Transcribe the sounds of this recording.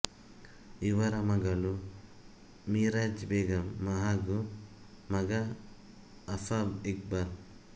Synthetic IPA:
iʋɐɾɐmɐɡɐlu | miɾad͡ʒbeːɡɐmːɐɦaɡu | mɐɡɐː | fabik̚bɐɾ

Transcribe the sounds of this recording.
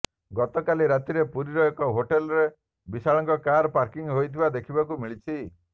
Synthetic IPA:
ɡɔt̪ɔkaliɾat̪iɾepuɾiɾɔekɔɦoʈelɔɾe | bisaɭɔŋkɔkaɾɔpaɾkiŋɦojt̪ʰibad̪ekʰibakumiɭit͡ʃʰi

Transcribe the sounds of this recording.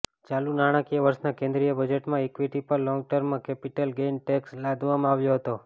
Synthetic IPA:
t͡ʃalunaɽ̃ãkijaʋəɾsnakẽnd̪ɾijəbəd͡ʒeʈmãɛkʋiʈipəɾlɔ̃ŋɡ̚ʈəɾmːãkɛpiʈəlɡenʈɛkslad̪ʋamãaʋjoɦət̪o

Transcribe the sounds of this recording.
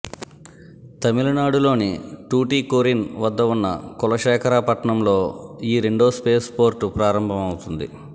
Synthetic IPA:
t̪ɐmilɐnaːɽulo̞ːniʈuːʈiːkoɾinʋɐd̪ːɐunːɐ̰kulɐʃɛːkʰɐɾaːpɐʈɐɳɐmlo̞ːiːɾiɳɖo̞ːspe̞ːspo̞ːɾʈupɾaːɾɐmbʱɐmɐwut̪und̪ḭ

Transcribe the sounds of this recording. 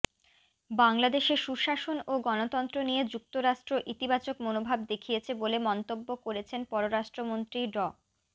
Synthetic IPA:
baŋlad̪eʃeɾʃuʃaʃonoɡɔnot̪ɔnt̪ɾonijed͡ʑuk̚t̪oɾaʃʈɾoʔit̪ibat͡ɕokmonobʱabd̪ekʰijet͡ɕʰebolemɔnt̪obːokoɾet͡ɕʰenpɔɾoɾaʃʈɾomont̪ɾiɖɔ

